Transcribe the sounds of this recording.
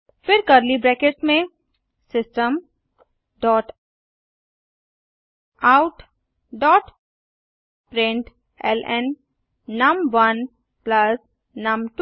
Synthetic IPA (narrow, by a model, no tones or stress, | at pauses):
fɪɾkəɾlibɾɛːkeʈmẽ | sɪsʈəm | ɖɔːʈ | aʊʈ | ɖɔːʈ | pɾɪ̃ɳʈ | ɛ̰lɛ̃nː | ɐmʋɐn | plɐs | nɐmʈ